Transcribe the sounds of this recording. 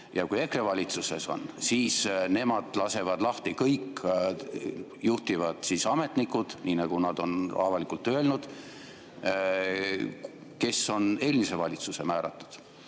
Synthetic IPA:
jɑkuje̞krevɑlʲit̪suse̞so̞̰nsiːsne̞mɑd̪̥lɑse̞vɑd̪̥lɑht̪ikɤjkː | juht̪ivɑd̪̥sisɑme̞t̪nikːˑud̪̥niːnɑɡ̥unɑd̪̥o̞nɑvɑlikult̪ːˑøelnud̪̥ | ke̞sːo̞ne̞ːlmise̞vɑlʲit̪suse̞mæːɾɑ̰t̪ˑːu̥d̪̥

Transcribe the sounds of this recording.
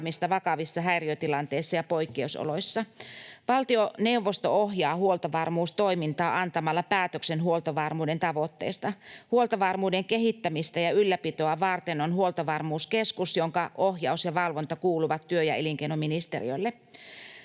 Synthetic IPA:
mist̪ɑʋɑkɑʋisːɑɦæiriøt̪ilɑnt̪eisːɑjɑpoikːeuso̰loisːɑʋɑlt̪ione̞uʋːost̪ooɦjɑːhuolt̪ɑʋɑrmuːst̪oimint̪ɑːʔɑnt̪ɑmɑlːɑpæːt̪øksenɦuolt̪ɑʋɑrmuːdent̪ɑʋot̪ːḛːst̪ɑhuolt̪ɑʋɑrmuːdeŋkeɦit̪ːæmist̪æjɑylːæpit̪oɑʋɑrt̪enonhuolt̪ɑʋɑrmuːskeskusjoŋkɑʔohjɑusjɑʋɑlʋont̪ɑkuːluʋɑt̪ːyøjɑeliŋkeinominist̪ḛrḭo̰ilːe

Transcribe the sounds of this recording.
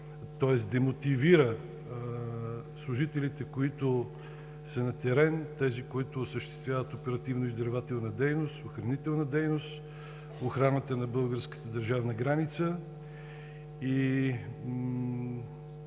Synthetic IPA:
t̪ɔɛsd̪ɛmot̪iviɾə | slˠʊʒit̪ɛlit̪ɛkoit̪ʊ | sɛnɐt̪ɛɾɛnt̪ɛzikoit̪ʊsəʃt̪ɛ̥st̪vʲjavət̪opɛɾɐt̪ivnoizd̪ɐɾvat̪ɛlˠnəd̪ɛjnost̪oxɾɐnit̪ɛlˠnɐd̪ɛjnost̪ | oxɾanət̪ənɐbɤlˠɡəɾskə̥t̪əd̪əɾʒavnɐɡɾanit̪sə | i

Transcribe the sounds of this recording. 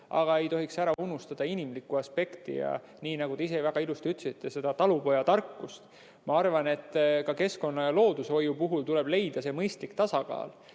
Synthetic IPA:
ɑ̰ɡ̥ɑe̞jt̪o̞ɦiksæɾɑunust̪ɑd̪̥ɑinimlikːˑuɑspe̞kt̪ḭjɑ̰ | niːnɑɡud̪̥eise̞væɡ̥ɑilust̪iyt̪ːˑsit̪ːe̞se̞d̪̥ɑt̪ɑlupo̞jɑt̪ɑrkːˑust̪ | mɑɑrvɑne̞t̪ˑːkɑke̞sko̞nːɑjɑlo̞ːd̪uso̞jupuɦult̪ule̞b̥le̞jd̪̥ɑse̞mɤjst̪likt̪ɑsɑkɑ̰ːl

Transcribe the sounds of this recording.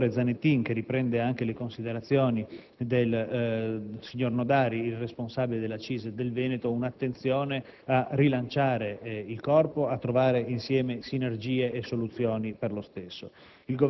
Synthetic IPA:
ɾed̪zanet̪ːiŋk̟eripɾɛnd̪eaŋkelekonsid̪eɾat̪sːjɔːni | d̪el | siɲːornod̪aːɾiilresponsabiled̪elːat͡ʃiːzed̪elvɛːnet̪ounat̪ːent̪sjɔːne | arilant͡ʃaːɾeilkɔrpoat̪ːɾovaːɾeinsjɛːmesinerd͡ʒiːeʔːsːolut̪sːjɔːniperlost̪esːo̰ | ilɡo

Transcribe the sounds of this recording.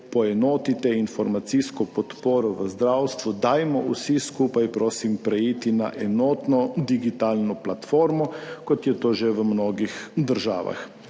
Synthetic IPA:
pɔɛnɔːt̪it̪ɛinfɔɾmat̪siskɔpɔt̪poːɾɔʋəzd̪ɾawst̪ʋud̪aːjmɔusiskuːpajpɾoːsimpɾɛjiːt̪ina̰ʔɛnɔːt̪nɔd̪iɡit̪aːlnɔplat̪foːɾmɔkɔt̪jɛt̪oːʒɛʋəmnoːɡixd̪əɾʒa̰ːʋa̰x

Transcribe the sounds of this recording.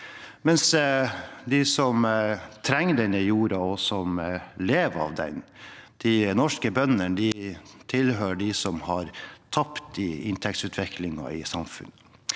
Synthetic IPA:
mɛns | d̪ɪsɔmt̪ʰɾɛŋːd̪ɛnəjuːɾɑɔsɔmleːʋɑ̰ʋd̪ɛ̰nd̪̥ɪnɔʂkəbœnənd̪ɪt̪ʰɪlɦøːɖɪsɔmhɑɾt̪ʰɑpt̪ɪɪnt̪ʰɛk̚t̪sʉːt̪ʰʋɛkʰlɪŋɑ̰ɪsɑmfʉ̰nːə

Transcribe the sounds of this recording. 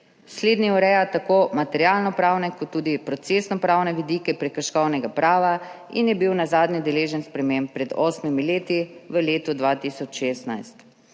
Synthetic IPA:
sleːd̪niuɾɛjat̪akoːmat̪ɛɾjalnɔpɾaːwnɛkɔt̪ːuːd̪ipɾɔt̪sesnɔpɾaːwnɛʋid̪iːkɛpɾɛkəɾʃkɔwnɛɡapɾʔaːʋa | ḭnjɛbiwnazaːd̪nid̪ɛleːʒɛnspɾɛmempːɾɛd̪ɔːsmimileːt̪iʋəleːt̪ud̪ʋaːt̪isɔt͡ʃʃeːst̪najst̪

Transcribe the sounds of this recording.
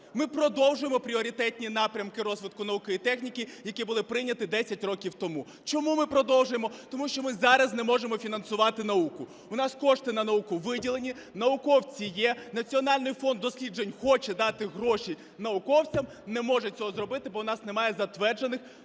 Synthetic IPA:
mɪpɾɔd̪ɔwʒʊjemɔpɾʲiɔɾʲit̪ɛtʲnʲin̪ɑpɾʲɐmkɪɾɔzʋɪd̪kʊnɐukɔjit̪ɛxnʲikʲijɐkʲibʊlˠɪpɾɪjnʲːɐt̪ɪd̪ɛsʲɐtʲrɔkʲiwt̪ɔmu | t͡ʃɔmumɪpɾɔd̪ɔwʒʊjemɔt̪ɔmuʃt͡ʃɔmɪzɑɾɐznɛmɔʒemɔfʲinɐnsʊʋɑt̪ɪnɐukʊ | ʊnɑskɔʂt̪ɪnɐnɐukʊʋɪdʲilˠenʲi | nɐʊkɔwt͡sʲijɛnɐt͡sʲiɔnɑlʲnɪjfɔnd̪ːɔsʲlʲidd͡ʒenʲxɔt͡ʃɛd̪ɑt̪ɪɦɾɔʃi | nɐʊkɔwt͡sʲɐm | nɛmɔʒɛt͡sʲɔɦɔzrɔbɪt̪ɪbɔwnɑsnemɑjɛzɐt̪ʋɛrd͡ʒenɪx

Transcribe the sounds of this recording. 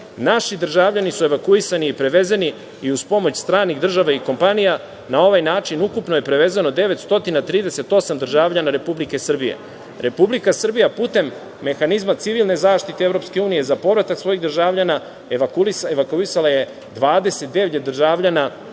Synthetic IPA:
naʃid̪r̩ʒaːʋʎanisue̞ʋakuisaniipɾe̞ʋe̞zeni | iuzpo̞mo̞t͡ɕst̪ɾaːniɣd̪r̩ʒaʋaiko̞mpanija | nao̞ʋajnaːt͡ʃinukupno̞je̞pɾe̞ʋe̞zeno̞d̪e̞ʋe̞t̪st̪o̞t̪inat̪ɾiːd̪e̞se̞t̪o̞samd̪rʒaːʋʎanaɾe̞publike̞sr̩bijḛ | ɾʔe̞publikasr̩bijapuːt̪e̞mː | e̞xanizmat̪siʋilˠne̞zaːʃt̪it̪eevɾo̞pske̞uːnije̞zapo̞ʋɾat̪aksvʋo̞jiɣd̪r̩ʒaːʋʎana | eʋakuieʋakuisalaje̞ | d̪ʋaːd̪ese̞t̪̚d̪e̞ʋʎed̪r̩ʒaːʋʎana

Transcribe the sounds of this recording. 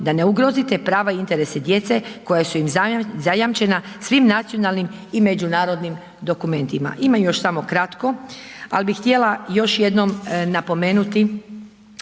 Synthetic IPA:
d̪ane̞uɡɾo̞zit̪epɾaːʋaiint̪e̞ɾesed̪je̞t̪se̞ko̞jasuimzajamt͡ʃe̞nasʋimnat̪sijo̞nalnimime̞d͡ʑunaːɾo̞d̪nim | d̪o̞kume̞nt̪ima̰ʔimamjo̞ʃsamo̞kɾat̪ko̞a̰lbixt̪je̞lajo̞ʃje̞d̪nomnapo̞me̞ːnut̪i

